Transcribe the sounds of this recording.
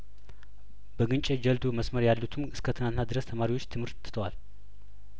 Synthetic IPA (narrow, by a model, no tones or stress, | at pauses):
bəɡɨnt͡ʃʼɛd͡ʒəld̪uməsməɾjalːut̪ʰɨmʔɨskʰət̪ʰɨnant̪nad̪ɨɾəst̪ʰəmaɾiwot͡ʃːt̪ʰɨmhɨɾʰ | t̪ʰəwal